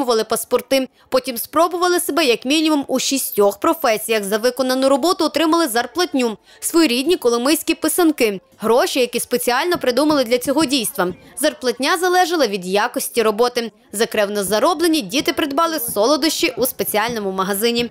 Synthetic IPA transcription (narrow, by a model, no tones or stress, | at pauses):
ʊʋɐlˠɪpɐspɔrt̪ɪ | pɔtʲimspɾɔbʊʋɐlˠɪsebɛjɐkmʲinʲimumuʃʲisʲtʲɔxpɾɔfɛsʲijɐxzɐʋɪkɔnɐnʊɾɔbɔt̪ʊːt̪ɾɪmɐlˠɪzɐrplˠɐtʲnʲu | sʋɔjiɾʲid̪ʲnʲikɔlˠɔmɪsʲkʲipɪsɐnkɪ | ɦɾɔʃʲijɐkʲispet͡sʲiɑlʲnɔpɾɪd̪umɐlˠɪd̪lʲɐt͡sʲɔɦɔdʲijst̪ʋɐzɐrplˠɐt̚ʲnʲazɐlˠɛʒɐlˠɐʋʲid̪jakɔsʲtʲiɾɔbɔt̪ɪ | zɐkɾɛwnɔzɐɾɔblˠenʲidʲit̪ɪpɾɪd̪bɑlˠɪsɔlˠɔd̪ɔʃt͡ʃiʔuspet͡sʲiɑlʲnɔmʊmɐɦɐzɪnʲi